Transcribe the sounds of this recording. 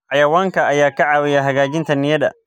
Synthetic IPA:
ʕɑjɐwaːŋkʰɐʔɐjaːkʰɐʕɑːwɪjɐɦɐɣaːt͡ʃɪnt̪ʰɐnɪjɐðɐ̰

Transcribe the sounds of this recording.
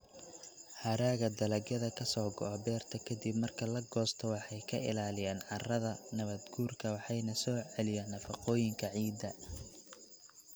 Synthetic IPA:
hɐɾaːɣɐd̪ɐlɐɡjɐðɐkʰɐsɔːɡɔ̰ʔɔbɛːrt̪ʰɐkʰɐd̪ibmɐrkʰɐlɐɡɔːst̪ʰɔwɑħɑjkʰɐʔɪ̰laːlɪjaːnʕɑrɐðɐnɐβɐd̪ɡuːrkʰɐwɑħɑjnɐsɔːʕɛlɪjaːnːɐfɑqɔːjɪŋkʰɐʕiːd̪ɐ

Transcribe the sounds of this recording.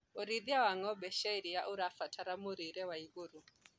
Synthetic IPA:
oɾiðiawaŋɔbɛʃaiɾijaʔuɾafatʰaɾamuɾiɾɛwaiɣoɾu

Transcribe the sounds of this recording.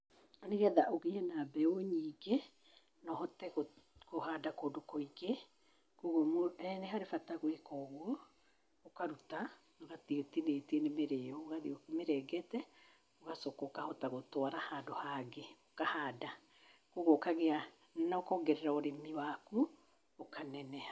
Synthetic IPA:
aneɣɛðaʔoɣeɛnabɛoɲiːɡe | nɔhɔtɛɣokoɦadakoːdokɔiɣe | koɣomoɛneɦaɾefataɣwekɔɣwɔ | okaɾuta | oɣatiotineːtienemeɾeɔoɣaðiomeɾɛɡɛtɛ | oɣasɔkɔkahɔtaɣotwaɾahaːdohaɡeokahaːda | koɣoːkaɣea | naokɔɡɛɾeɾaoɾemiwaku | okʰanɛnɛa

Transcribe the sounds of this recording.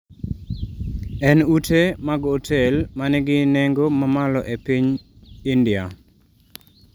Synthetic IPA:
ɛnutemaɡotʰelmanɛɡɪneŋɡomamalɔʔepiɲ | indɪa

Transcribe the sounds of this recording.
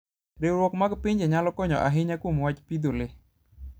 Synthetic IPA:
ɾewɾwɔkmaɡpiɲd͡ʒeɲalɔkɔɲɔ̰ʔaɦɪɲakwomwat͡ʃpid̪ole

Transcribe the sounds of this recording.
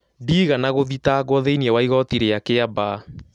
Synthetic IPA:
diːɣanaɣoðitaɣwɔðeiniɛwaiɣɔtiɾeakeaba

